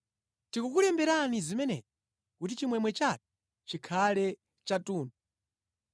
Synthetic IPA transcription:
tikukulɛmbɛɾanizimɛnɛ̰d͡ʒɔ | kut̬it͡ʃimwɛmwɛt͡ʃak̚ɛ̥ | t͡ʃikʰalɛ | t͡ʃatuːnu

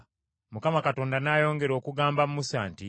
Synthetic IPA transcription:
mukamakato̞ːndanaːjo̞ːŋɡe̞ɾo̞ːkuɡaːmbamumusaːnti

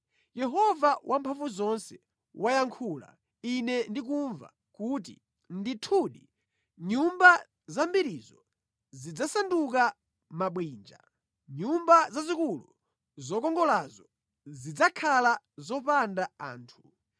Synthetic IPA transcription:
jɛɦɔvawʔampʰaɱvuzɔnsɛ | wajaŋkʰula̰ | inɛndik̬uɱva̰ | kut̬ḭ | nditʰuɗi | ɲumba | zambiɾizɔ | zid͡zasanduk̬a | maɓwiːnd͡ʒa̰ | ɲumbazazikulu | zɔkɔŋɡɔlazɔ | zid͡zakʰala | zɔpandaa̰ːntʰu

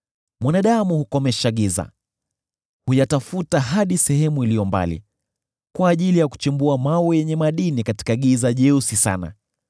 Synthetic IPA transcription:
mwanaɗamuhukɔmɛʃaɠiza̰ | hujatafutaɦaɗisɛɦɛmuilijɔmba̰lḭ | kwaːʄilijaku̥t͡ʃimbuamawɛjɛɲɛmaɗinikati̥kaɠizaʄɛusisa̰na̰

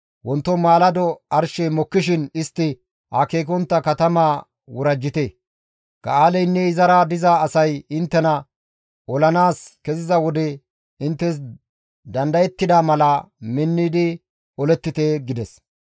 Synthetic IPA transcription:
wɔnt̪ːɔmaːlɐd̪ɔɐɾʃɛmɔkːɪʃɪnɪst̪ːɪ | hakeːk̬ɔnt̪ːɐkɐt̪ɐmaː | wʊɾɐd͡ʒːɪt̪e | ɡ̥ɐ̰aːlɛjnːɛɪzɐɾaːd̪ɪzaːsɐjɪnt̪ːɛnɐ | ʔɔlɐnaːskɛzɪzɐwɔd̪ɛ | ɪnt̪ːɛs̬ | d̪ɐnd̪ɐjɛt̪ːɪd̪aːmɐlɐmɪnːɪd̪ɪ | ɔlɛt̪ːɪt̪eːɡɪd̪ɛs

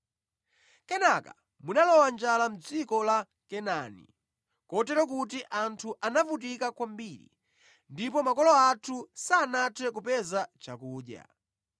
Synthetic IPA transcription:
kɛnaka | munalɔwand͡ʒalam̩d͡zikɔla | kɛnanḭ | kɔtɛɾɔk̬ut̬iʔantʰuʔanavut̬ikakwambiːɾḭ | ndipɔmakɔlɔatʰusaːnatʰɛk̬upɛzat͡ʃa̰kuːɗja̰

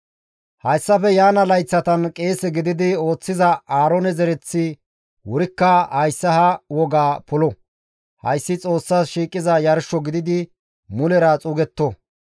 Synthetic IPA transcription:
hɐjsːɐfɛjaːnɐlɐjt͡sːɐt̪ɐnkʼeːsɛɡɪd̪ɪd̪ɪo̞ːt͡sːɪzɐaːɾɔnɛzɛɾɛt͡sːɪ | wʊɾɪkːɐhɐjsːɐhɐwɔɡaːpʊlɔ | hɐ̰jsːɪt͡sʼo̞ːsːaːsʃiːkʼːɪzɐjɐɾʃːɔɡɪd̪ɪd̪ɪ | mʊlɛɾɐt͡sʼʊɡɛt̪ːɔ

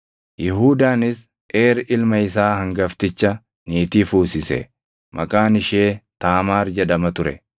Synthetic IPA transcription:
jɪɦuːd̪aːnɪs | ʔeːɾɪlmɐɪsaːhɐŋɡɐft̪ɪt͡ʃːɐ | niːt̪iːfuːsɪsɛ̰ | mʔɐ̰kʼaːnɪʃeːt̪aːmaːɾd͡ʒɛᶑɐmɐt̪ʊɾɛ̰

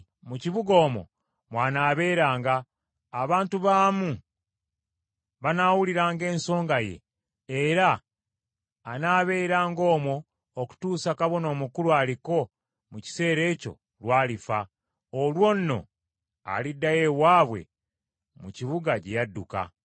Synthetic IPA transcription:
muciβuɡo̞ːmo̞̰ | mwaːnaːβe̞ːɾaːŋɡaː | βaːntuβaːmu | βanawuliɾaːŋɡe̞ːnso̞ːŋɡaje̞̰ː | ɾa | naːβe̞ːɾaːŋɡo̞ːmo̞ː | ku̥tuːsakaβo̞no̞ːmukuluaːliko̞ | muci̥se̞ːɾe̞ːco̞̰ | lwaːlifa | olwo̞nːo̞̰ | a̰lidːaje̞waːβwe̞̰ | muciβuɡacejadːuka̰

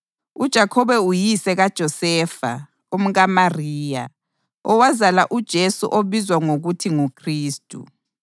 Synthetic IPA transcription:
ud̥ʒ̥ʱakʰɔβɛujisɛɣad̥ʒ̥ʱɔsɛːfa̰ | um̩ɣamariːja | ɔwazalaʔud̥ʒ̥ʱesṵʔoβizwaŋoɣutʰiŋukʰriːstʼṵ

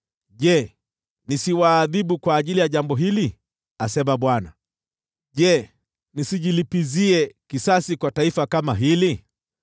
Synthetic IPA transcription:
ʄɛ | nisiwaːðiɓukwaːʄilijaʄambɔɦili | asɛmaɓwana̰ | ʄɛ | nisiʄilipiziɛkisasikwataifakamaɦili

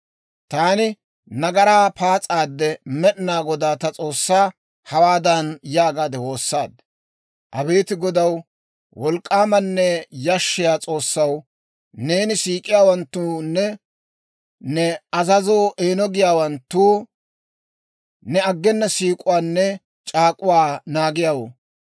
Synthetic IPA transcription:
t̪aːnɪ | nɐɡɐɾaːpʰaːt͡sʼaːd̪ːɛmɛɗɪnaːɡɔd̪aːt̪ɐt͡sʼo̞ːsːaː | hɐwaːd̪ɐnjaːɡaːd̪ɛwo̞ːsːaːd̪ | ʔɐbe̞ːt̪ɪɡɔd̪ɐw | wɔlkʼːaːmɐnːɛjɐʃːɪjaːt͡sʼo̞ːsːɐw | ne̞ːnɪsiːkʼɪjaːwɐnt̪ːunːɛ | nɛɐzɐzoːʔe̞ːnɔɡɪjaːwɐnt̪ːuː | nɛɐɡːɛnːɐsiːkʼʊwaːnːɛ | t͡ʃʼaːkʼʊwaːnaːɡɪjaːwo̰ː

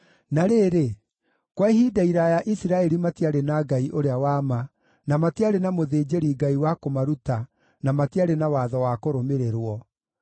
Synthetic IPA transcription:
naɾeɾe | kwaihidaiɾajaʔisiɾaɛɾimatiaɾenaɡaiʔoɾeawama | namatiaɾenamoðeːd͡ʒeɾiɡaiwakomaɾuta | namatiaɾenawaːðɔwakoɾomeɾeɾwɔ

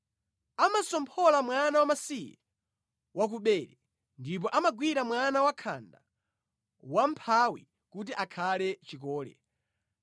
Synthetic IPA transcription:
amasɔmpʰɔlamwanawamasija | wak̬uɓɛːɾɛ | ndip̬ɔʔamaɡwiɾamwanawakʰa̰nda̰ | wam̩pʰawi | kut̬iʔakʰalɛt͡ʃik̬ɔːlɛ̰

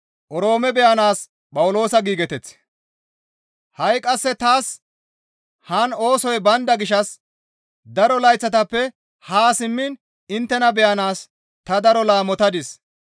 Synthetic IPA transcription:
ʔɔɾo̞ːmɛbɛjɐnaːs | pʼɐwʊlo̞ːsɐɡiːɡɛt̪ɛt͡s | hɐjkʼɐsːɛt̪aːs | haːno̞ːsɔjbɐnd̪ɐɡɪʃɐs | d̪ɐɾɔlɐjt͡sːɐt̪ɐpːɛ | haːsɪmːɪn | ɪnt̪ːɛnɐbɛjɐnaːs | t̪ɐd̪ɐɾɔlaːmɔt̪ɐd̪ɪs

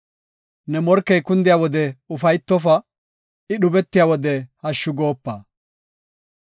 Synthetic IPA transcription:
nɛmɔɾkːɛjkʊnd̪ɪjaːwɔd̪ɛʊfɐjt̪ːɔf̬ɐ | ɪɗʊbɛt̪ːɪjaːwɔd̪ɛhɐʃːʊɡoːpːɐ̰ː

